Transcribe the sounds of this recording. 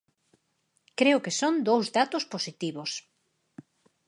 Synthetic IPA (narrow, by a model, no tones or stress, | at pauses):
kɾeʊkesond̪owzðat̪ʊsposit̪iβos